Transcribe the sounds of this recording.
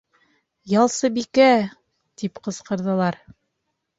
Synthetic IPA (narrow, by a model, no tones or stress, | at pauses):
jɑlˠsɤbikæ | t̪ipqɤ̆sqɤ̆ɾðɤ̆lˠɑɾ